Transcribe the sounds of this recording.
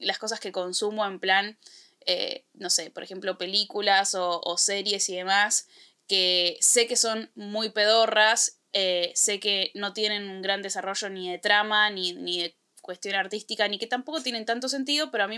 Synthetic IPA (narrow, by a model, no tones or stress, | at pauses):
lasko̞s̬aske̞ko̞nsumo̞e̞mplan | ḛ | no̞se̞poɾexe̞mplo̞pe̞likulaso̞ːseɾje̞siðe̞mas | kese̞ke̞so̞nmujpe̞ðo̞ras | eːe̞ke̞no̞t̪je̞ne̞nuŋɡɾand̪e̞saro̞ʒo̞niðe̞t̪ɾamaniniðe̞ | kwe̞st̪jo̞naɾt̪ist̪ikanike̞t̪ampo̞ko̞t̪je̞ne̞nt̪ant̪o̞s̬e̞nt̪̬iðo̞peɾoamĩ